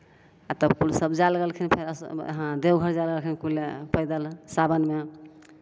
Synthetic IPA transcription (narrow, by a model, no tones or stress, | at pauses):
at̪əbkulsəbd͡ʒalɡelkʰinpʰeɾsɦãd̪eɡʱəɾd͡ʒalɡəlkʰinkulepʰəjd̪əlsabənme